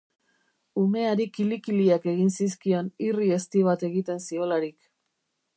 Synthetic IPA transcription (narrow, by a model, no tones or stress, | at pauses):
ume̞aɾikilikiliake̞ɣinsiskio̞nirie̞st̪iβat̪e̞ɣit̪e̞nsio̞laɾik